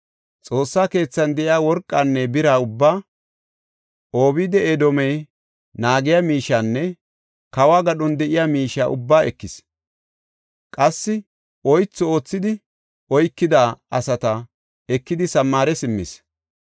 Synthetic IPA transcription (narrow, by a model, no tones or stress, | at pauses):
t͡sʼo̞ːsːaːke̞ːt͡sːɐnd̪ɛʔɪjaːwɔɾkʼːanːɛbɪɾaːʊbːaː | ʔo̞ːβiːd̪ɛʔed̪ɔmɛj | naːɡɪjaːmiːʃanːɛ | kɐwaːɡɐɗɔnd̪ɛʔɪjaːmiːʃa̰ːʔʊ̰bːaːɛkːɪs | kʼɐsːɪ | ʔɔjt͡sːɔo̞ːt͡sːɪd̪ɪ | ɔjkːɪd̪aːɐsɐt̪ɐ | ɛkːɪd̪ɪsɐmːaːɾɛsɪmːɪs